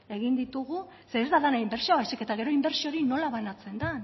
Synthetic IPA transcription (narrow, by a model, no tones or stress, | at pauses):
e̞ɣind̪it̪uɣ̞u | se̞ːzd̪alanaimbe̞ɾt͡ʃioβaseket̪aɣe̞ɾo̞imbe̞ɾt͡ʃio̞ɾino̞laβanat͡se̞nd̪an